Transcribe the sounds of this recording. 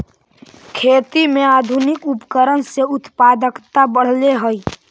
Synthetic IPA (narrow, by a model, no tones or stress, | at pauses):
kʰeːt̪imẽaːd̪ʱʊnɪkʊpkəɾənseʊt̪paːd̪əkt̪abəɽ̤leɦoi